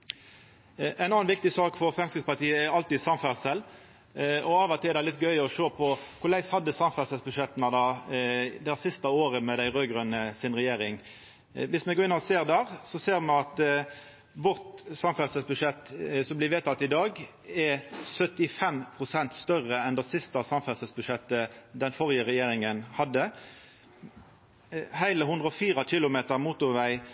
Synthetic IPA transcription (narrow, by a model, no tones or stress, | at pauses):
ʔæɪnɑːnʋɪk̚t̪ɪsɑːkfɔɾfɾɛmskʁɪd̪spɑt̪iːəɛɾɑlt̪iːd̪sɑmfæʁsəl | ɔɑːʋɛt̪ɪɛɾd̪æɪlɪt̪ɡœʏɔʃøːpʰɔkʰʊɾlæɪshɑd̪ːəsɑmfæsəlsbʉʂɛt̪ːnɑd̪ɑː | d̪æsɪst̪əoːɾəmɛd̪æɪʁøːɡʁœnːəsɪnʁɛjeːɾɪŋ | ʋɪsmɛɡoːɪnːəʁɔseːʁd̪æːʁsɔseːʁmɛɑt̪ | ʋʊʁt̪sɑmfɛlsəsbʉʂɛt̪ːsɔmblɪʋeːt̪ʰɑt̪ːɪd̪ɑːɡ | ɛsœt̪ɪfɛmpʰʁʊsɛnt̪st̪œrːəɛnd̪ɛsɪst̪ɑsɑmfɛlsəsbʉʂɛt̪ːəd̪ɛnfɔʁjəʁɛjeːʁɪŋənhɑd̪ːə | hæɪləhʉnd̪ʁəɔfiːʁɑkɪlʊmeːt̪əʁmuːt̪ʊʋæɪ